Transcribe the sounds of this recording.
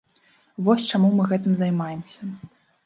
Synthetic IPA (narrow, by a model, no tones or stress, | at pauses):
vɔsʲt͡ʂamumɨɣɛt̪ɨmzɐjmajɛmsʲɐ